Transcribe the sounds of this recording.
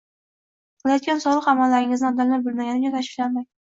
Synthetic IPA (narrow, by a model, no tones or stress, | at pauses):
qɨlˠajɒt̪̚kʲansɒlˠɨqamalːaɾɪŋɪznɪd̪alːaɾbɪlˠmaɡʲanɪt͡ʃat̪ʰaʃɪfʲlanmaj